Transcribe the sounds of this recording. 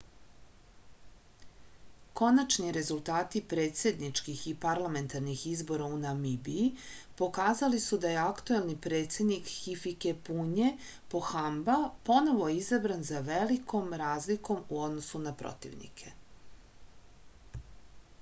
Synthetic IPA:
ko̞nat͡ʃniɾe̞zulˠt̪aːt̪ipɾe̞ːt̪se̞d̪nit͡ʃkixipaɾlˠame̞nt̪aɾnixizbo̞ɾaunamibiipo̞kaːzalisud̪ajeakt̪uelnipɾe̞ːt̪sed̪nikxifikepuɲe | po̞xambapo̞no̞ʋo̞izabɾanzaʋelikʰo̞mɾaːzliko̞muo̞d̪nosunapɾo̰t̪ḭʋnḭkʰe̞

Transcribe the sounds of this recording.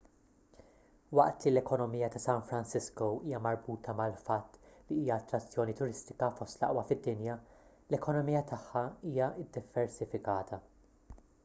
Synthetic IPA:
wɐ̰ʔt̪lilɛkɔnɔmiːjːɐt̪ɐsɐnfɾɐnsɪskoiːjɐmɐɾbuːt̪ʰɐmɐlfɐt̪ːliiːjɐːt̪ːɾɐt͡sːjɔːnit̪ʊɾɪst̪ɪ̥kɐfɔst̪lɐ̰ʔwɐfɪd̪ːɪnjɐ | lɛkɔnɔmijɐt̪ʰɐħːɐiːjɐʔɪd̪ːɪvːɛɾsɪfɪkɐːt̪ʰɐ

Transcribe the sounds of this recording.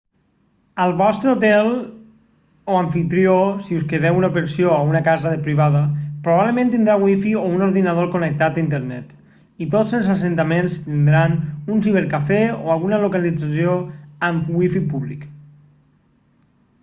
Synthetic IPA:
əlˠβɔst̪ɾəut̪ɛl | oaɱfit̪ɾiosiuskeðɛwunaupəɾsioaunəkazəðəpɾiβaðapɾuβaβləmẽnt̪ind̪ɾawifiounoɾðinaðoɾkonək̚t̪at̪aint̪eɾnɛt̪ | it̪ozəlˠzasent̪amẽnst̪ind̪ɾanunsiβ̞eɾkafɛoalˠɣunəlukalid͡zasioəmwifipuβlḭk

